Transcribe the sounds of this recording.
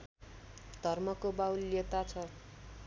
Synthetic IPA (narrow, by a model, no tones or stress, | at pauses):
d̪ʱʌrmʌkobawlet̪at͡sʰʌ